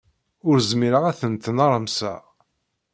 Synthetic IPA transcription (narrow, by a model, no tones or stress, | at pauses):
ʊɾzmiɾəʁæθənt̪nɑɾˤəmsæ̰